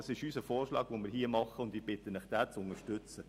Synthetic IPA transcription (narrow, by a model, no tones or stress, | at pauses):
sɪʃyːsəfɔːrʃlɑ̰ːɡ̥ʋomɪːɾhiːəmɑχəʊnd̪iːb̥ɪt̪ənəχd̥æːt͡sʊnəʃtʏt͡sə